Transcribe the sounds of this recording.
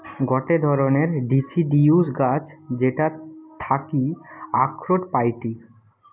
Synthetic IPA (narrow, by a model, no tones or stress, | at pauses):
ɡɔʈed̪ʱɔɾoneɾɖisiɖijusɡad͡ʑd͡ʑeʈat̪ʰakiakʰɾoʈpajʈi